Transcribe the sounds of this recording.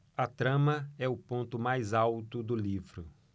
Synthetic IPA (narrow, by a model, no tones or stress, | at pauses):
ɐt̪ɾɐ̃mɐɛʊpõnt̪ʊmajzawt̪ʊd̪ʊlivɾʊ